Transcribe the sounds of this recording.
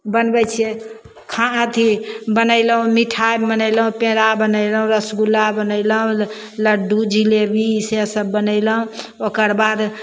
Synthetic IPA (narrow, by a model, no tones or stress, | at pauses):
bənbɛt͡ʃʰe | kʰããt̪ʰibənəɪləɦũmiʈʰajbənəɪləɦũpẽɾabənəjləɦũɾəsɡulabənəɪləɦũ | ləɖud͡ʒilebʱiːsesəbːənəɪləɦũ | okəɾbad̪